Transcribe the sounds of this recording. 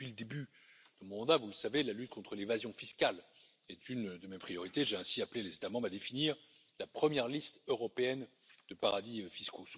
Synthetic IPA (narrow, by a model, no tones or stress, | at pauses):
pɥiləd̪eby | d̪̥ɑmɔ̃mɑ̃d̪avuləsavelalyt̪̚kɔ̃t̪χəlevazjɔ̃fiskʲal | ɛt̪ynd̪əmɛpχijɔʁit̪eʒeɛ̃siaplelezet̪amɑ̃mbʁad̪efiniʁ | lapχəmjɛʁlist̪øʁɔpeɛn | d̪̥əpaʁad̪ifiskʰo